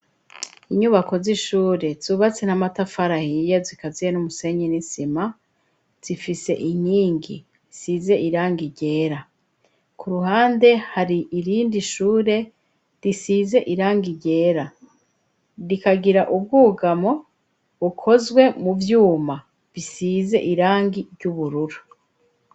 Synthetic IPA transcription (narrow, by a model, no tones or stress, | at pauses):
iɲuβako̞ziʃuːɾe̞z̥uːβat͡se̞n̥hamatafaɾahijezikazijenumuse̞ɲinisima | z̥ifise̞̰ʔiɲiːŋɡi | size̞ʔiɾaːŋɡiɟe̞ːɾa | kuɾuɦaːnde̞haɾiʔiɾiːndiʃuːɾe̞ | ɾisize̞ʔiɾaːŋɡiɟe̞ːɾa | ɾikaɡiɾaʔub̚ɡuːɡamo̞ | βukʰo̞zɡwe̞muvjuːma | βisize̞̰ʔiɾaːŋɡiɾɟuβuɾuɾu